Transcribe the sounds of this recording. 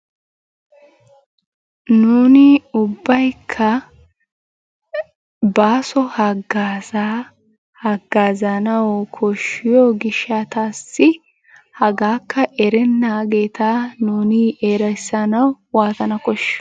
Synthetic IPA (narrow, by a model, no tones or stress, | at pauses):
nuːnɪʊbːɐjkʰːɐ | baːsɔhɐɡaːza | hɐɡːaːzɐnɐwkʰɔʃːɪjoːɡɪʃːat̪aːsːɪ | hɐɡaːkʰːɐʔɛɾɛnːaːɡeːt̪aːnuːnɪeːɾɐjsɐnɐw | waːt̪ɐnɐkɔʃː